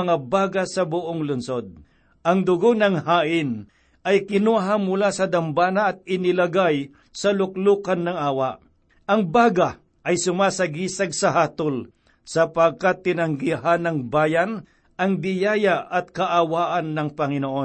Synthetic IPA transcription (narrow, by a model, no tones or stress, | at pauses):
ŋabaːɡasɐbʊʔoŋlʊnsod̪̚ | ɐŋd̪ʊɡonɐŋhaːʔɪn | ɐjkɪnuɦamːʊlasɐd̪ɐmbaːnɐːt̪̚ɪnɪlɐɡaj | sɐlʊkluːkanːɐŋaːwaʔ | ʔɐŋbaːɡa | ʔɐjsʊmasɐɡiːsɐɡ̚sɐɦaːt̪ol | sɐpɐɡ̚kat̪ːɪnɐŋɡiɦanɐŋbaːjan | ɐŋd̪ɪjaːjaʔɐt̪̚kɐʔawaːʔɐnːɐŋpɐŋɪnoʔo